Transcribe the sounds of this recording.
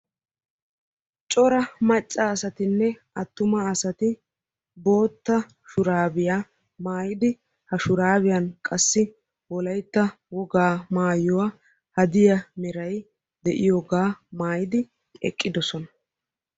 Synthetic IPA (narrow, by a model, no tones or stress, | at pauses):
t͡ʃʼɔɾɐmɐt͡ʃʼːɐːsɐt̪ɪnːɛ | ɐt̪ːʊmɐːsɐt̪ɪ | bo̞ːt̪ːɐ | ʃʊɾaːbɪja | maːjɪd̪ɪ | hɐʃʊɾaːbɪjɐnkʼɐsːɪ | wɔlɐjt̪ːɐ | wɔɡaːmaːjɔwɐ | hɐd̪ɪjɐmɛɾɐj | d̪ɛʔɪjoɡaːmaːjɪd̪ɪ | ɛ̰kʼːɪd̪ɔsɔnɐ